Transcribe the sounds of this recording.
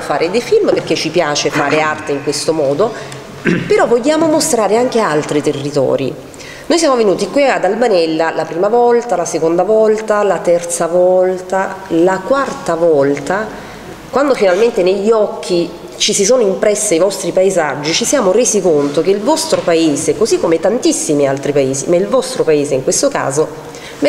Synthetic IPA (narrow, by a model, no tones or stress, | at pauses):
faːɾed̪ejfilmperket͡ʃːipjaːt͡ʃefaːɾeart̪eiŋkwest̪omɔːd̪o | peɾɔvːoʎːaːmomost̪ɾaːɾeaŋk̟ealt̪ɾit̪erːit̪ɔ̰ːɾḭ | nojsjaːmovenuːt̪ikwiad̪albanɛlːalapɾiːmavɔlt̪alasekond̪avɔlt̪alat̪ɛrt̪savɔlt̪alakwart̪avɔlt̪a | kwand̪ofinalment̪eneʎːiɔkʰːi | t͡ʃisisoːnoimpɾɛsːiajvɔst̪ɾipaezad͡ʒːit͡ʃisjaːmoɾeːzikont̪ok̟eilvɔst̪ɾopaeːzeɛkːozikːomet̪ant̪isːimialt̪ɾipaeːzimailvɔst̪ɾopaeːzeiŋkwest̪oka̰ːzo